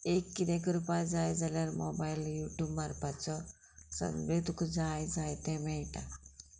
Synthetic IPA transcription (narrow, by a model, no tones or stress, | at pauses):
ekːinekɾupajd͡zaːjd͡zalaɾmobajiljuʈjuːbmaɾpat͡sɔ | sə̰nʋed̪ukd͡zajd͡zaːjt̪ẽmejʈa